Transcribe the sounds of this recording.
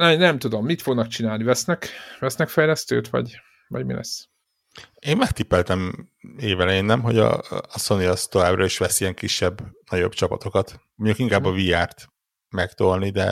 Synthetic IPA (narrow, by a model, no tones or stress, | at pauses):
ɛnɛmt̪ud̪o̞mːit̪fo̞ɡnɒkt͡ʃinaːlnivɛsnɛkvɛsnɛkfɛjlɛst̪ø̰ːt̪ʋɒ̰ɟ | vɒ̰ɟmḭlɛ̰s | eːmmɛkt̪ipːɛlt̪ɛmeːvɛlɛjeːnːɛmɦo̞ɟɒ̰ːso̞niɒst̪o̞vaːbrɒiʃʋɛsijɛŋkiʃːɛbːnɒɟo̞bt͡ʃɒpɒt̪o̞kɒt̪moɲukiŋkaːbːɒviaːrt̪ | mɛkt̪olnid̪ɛ